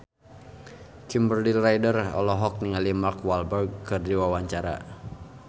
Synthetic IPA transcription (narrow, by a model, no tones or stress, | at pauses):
kimbərdilrajdərɔ̰lɔɦɔk̚niŋalimakwalbərɡ̚kɨrdiwawaɲt͡ʃaɾa̰